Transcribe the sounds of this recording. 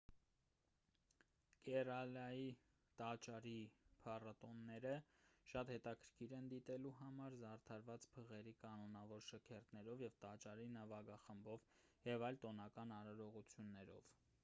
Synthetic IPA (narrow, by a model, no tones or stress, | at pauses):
kɛrɑlɑji | t̪ɑt͡ʃɑɾipʰɑrɑt̪ɔnːɛɾəʃɑt̪hɛt̪ɑkʰəɾkʰiɾɛnd̪it̪ɛluɦɑmɑɾzɑrt̪ʰɑɾvɑt͡spʰəʁɛɾikɑnɔnɑvɔɾʃəkʰɛrt̪nɛɾɔvjɛvt̪ɑt͡ʃɑɾinəvɑɡɑχəmbɔvjɛvɑjlt̪ɔnɑkɑnɑɾɑɾɔʁut͡sʰjunːɛɾɔ̰v̥